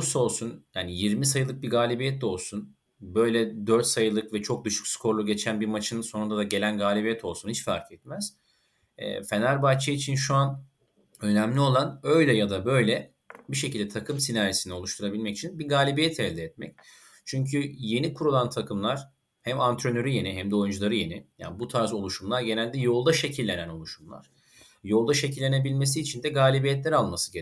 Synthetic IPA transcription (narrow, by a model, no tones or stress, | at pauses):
so̞lˠsunjaːnijiɾmisajɯlˠɯk̚biɡaːlʲibijɛt̪̚do̞lˠsun | bø̞jlʲɛd̪øɾt̪sajɯlˠɯkvɛt͡ʃʰo̞k̚d̪ɯʃu̥kskʰo̞ɾlˠuɟe̞t͡ʃʰænbiɾmat͡ʃʰɯnɯnso̞nund̪ad̪aɟe̞lʲænɡaːlʲibijɛt̪ʰo̞lˠsunhit͡ʃfa̰ɾkɛt̪mæz̥ | ɛ̰ːfe̞naɾbat͡ʃʰɯit͡ʃʰinʃuan | ø̞næmlʲio̞lˠanø̞jlʲɛjad̪abø̞jlʲɛ | biʃe̞cilʲd̪ɛt̪ʰakʰɯmsinaɾisinɪo̞lˠuʃt̪ʰuɾabilʲmɛci̥t͡ʃʰinbiɡaːlʲibijɛt̪ʰɛlʲd̪ɛːt̪̚mɛ̰c | t͡ʃʰyɲcʰyje̞nikʰuɾulˠant̪ʰakʰɯmlˠaɾ̥ | hæmant̪ʰɾø̞nø̞ɾyje̞niɦæmd̪ɛojund͡ʒulˠaɾɯje̞nɪja̰ːnbut̪ʰaɾzo̞lˠuʃumlˠaɾɟe̞nælʲd̪ɛjo̞lˠd̪aʃe̞cʰilʲːe̞næno̞lˠuʃumlˠa̰ɾ̥ | jo̞lˠd̪aʃe̞cʰilʲːe̞ne̞bilʲme̞siːt͡ʃʰind̪ɛɡaːlʲibijɛt̪lʲæɾalˠmasɯɟe